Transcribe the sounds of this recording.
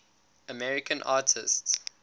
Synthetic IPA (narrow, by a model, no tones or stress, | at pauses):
əmɛɹɪkʰə̃nʔaːtʰɪsts